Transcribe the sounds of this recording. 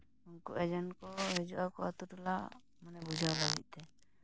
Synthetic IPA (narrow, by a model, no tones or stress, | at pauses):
unkuʔɛd͡ʒankɔɾɛd͡ʒuʔakɔat̪uʈla | manɛbud͡ʒʱawlaɡḭˀt̪ɛ